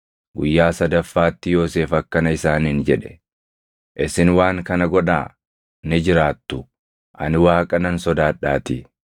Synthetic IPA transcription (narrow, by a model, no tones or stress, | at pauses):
ɡʊjːaːsɐd̪ɐfːaːt̪ːɪjo̞ːse̞ːfɐkːɐnɐɪsaːnɪnd͡ʒɛᶑɛ̥ | ʔɪsɪnwaːŋkɐnɐɡɔᶑaː | nɪd͡ʒɪɾaːt̪ːʊ | ʔɐ̰nɪwaːkʼɐnɐnsɔd̪aːᶑːaːt̪ɪ